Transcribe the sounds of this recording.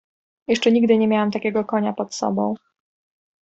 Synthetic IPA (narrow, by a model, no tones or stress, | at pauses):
jɛʂt͡ʂɛɲiɡ̚d̪ɘɲɛmʲjawamt̪akʲɛɡɔkɔɲapɔt̪sɔ̰bɔ̃w̃